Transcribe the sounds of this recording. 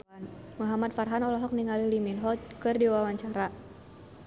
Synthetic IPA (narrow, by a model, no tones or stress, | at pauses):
n | muɦamat̪̚farɦanɔlɔɦɔk̚niŋaliliminɦɔkɨrdiwawaɲt͡ʃaɾa